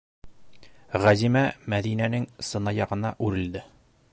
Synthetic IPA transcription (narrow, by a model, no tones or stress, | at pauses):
ʁæzimæmæðinænɘŋsɤ̆nɑjɒʁɤ̆nɑʔʉɾɘ̆ld̪ɘ